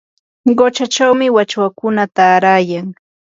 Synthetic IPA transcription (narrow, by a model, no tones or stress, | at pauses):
ɢot͡ʃat͡ʃawmɪwat͡ʃwakʊnat̪aːɾaːjaŋ